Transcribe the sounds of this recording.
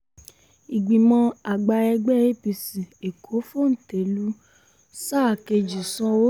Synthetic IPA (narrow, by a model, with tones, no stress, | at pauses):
i˨ɡ͡bi˨mɔ̃˧a˨ɡ͡ba˧ɛ˧ɡ͡bɛ˦e˦pi˧si˨e˨kʰo˨˦fo˦˨n̩˨te˨˦lu˨˦ | saː˦˨ke˧d͡ʒi˨sɔ̃˧wo˦